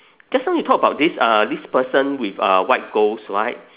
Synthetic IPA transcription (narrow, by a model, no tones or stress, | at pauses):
ɡ̥ɛsãjutʰɔkəbaʊt̚disʌdispəsə̃nwifʌ̰waɪt̚ɡ̥osɹa̰ɪt̚